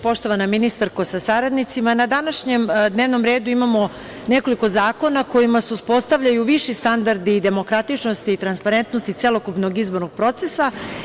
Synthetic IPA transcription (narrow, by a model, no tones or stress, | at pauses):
po̞ʃt̪o̞ʋanaminist̪aɾkosasaɾad̪nit̪simanad̪anaʃɲemd̪ne̞ːʋno̞mɾeːd̪uimamo̞ | ne̞ko̞liko̞zaːko̞nako̞jimaseuspo̞st̪aʋʎajuʋiʃist̪and̪aɾd̪id̪emo̞kɾat̪it͡ʃnost̪iːt̪ɾanspaɾe̞nt̪nost̪it̪selo̞kupnoɡizbo̞ɾnoɡ̥̚pɾo̞t̪se̞sa